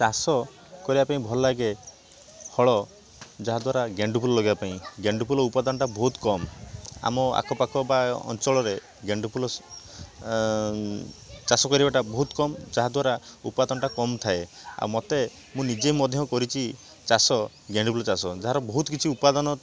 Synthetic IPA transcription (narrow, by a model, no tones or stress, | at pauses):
t͡ʃasɔ | kɔɾibapaĩbʱɔlɔlaɡe | hɔɭɔ | d͡ʒaɦad̪waɾaɡeɳɖupʰulɔlɔɡibapaĩɡeɳɖupʰulɔupad̪ɔnɔʈabɔɦut̪kɔma̰mɔa̰kʰɔpakʰɔbaɔ̰nt͡ʃɔɭɔɾe | ɡeɳɖupʰulɔ | t͡ʃasɔkɔɾibaʈabɔɦut̪kɔmd͡ʒaɦad̪waɾaupad̪ɔnɔʈakɔmt̪ʰaea̰wmɔt̪e | mũnid͡ʒemɔd̪ʱjɔkɔɾit͡ʃʰi | t͡ʃasɔ | ɡeɳɖupʰulɔt͡ʃasɔd͡ʒaɦaɾɔbɔɦut̪ɔkit͡ʃʰiupad̪ɔnɔ